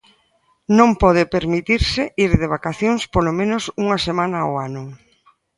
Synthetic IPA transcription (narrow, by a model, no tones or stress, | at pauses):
nõmpɔðɪpeɾmit̪iɾsɪiɾðeβ̞akaθjoŋspolomẽnosuŋasemãnaoanʊ